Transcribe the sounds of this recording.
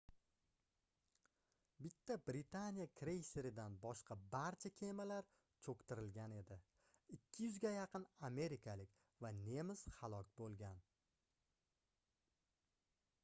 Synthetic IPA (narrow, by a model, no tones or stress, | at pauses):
bɪt̪ʰːabɾɪt̪ʰanijakʰɾe̞jse̞ɾɪd̪anbɒʃqʰɑbaɾt͡ʃʰakʲʰe̞malaɾ | t͡ʃʰokʲt̪ɪɾɪlɡʲane̞d̪ɪ | ɪkʲʰːɪjʊzɡʲajɑqʰɨname̞ɾɪkʰalɪk̚ʲ | vane̞mɪz̥halˠɒkʲbolˠɡʲan